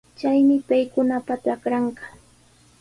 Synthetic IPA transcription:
t͡ʃajmɪpajkʊnapat̪akɾɑɴɢɑ

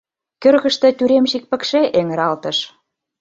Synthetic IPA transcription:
køɾɣə̆ʃt̪ə̆t̪yɾemʃik̚pə̆kʃeʔeŋə̆ɾɑlt̪ɤ̆ʃ

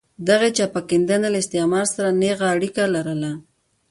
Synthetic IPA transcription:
d̪aɣet͡ʃɑpakɪnd̪analɪst̪emɑɾsaɾaneɣaːɽikalaɾəla

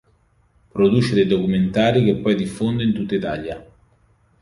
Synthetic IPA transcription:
pɾod̪uːt͡ʃed̪ejd̪okument̪aːɾik̟epːɔjd̪ifːond̪eint̪ut̪ːait̪a̰ʎja

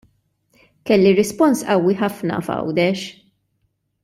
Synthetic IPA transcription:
kɛlːiɾɛspɔnsʔɐwːiħɐfnɐ̰fɐ̰wd̪ɛʃ

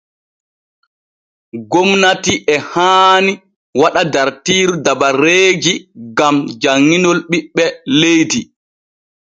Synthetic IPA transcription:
ɡɔmnatiʔɛhaːni | waɗadaɾtiːɾudabaɾeːd͡ʒiɡamd͡ʒaŋːinɔlɓiɓːɛlejdi

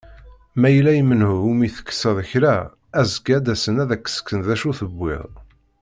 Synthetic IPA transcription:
mæjəlːæjəmənhʊumiθə̥kːə̥sːəðˤəçɾæ | æzəɡæd̪æsənæðækːə̥sə̥kːənðæʃuθəbːɪ̰ðˤ

